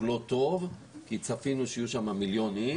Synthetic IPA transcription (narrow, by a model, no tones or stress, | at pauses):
lo̞t̪o̞v | kit͡safinuʃjuʃamamiljoni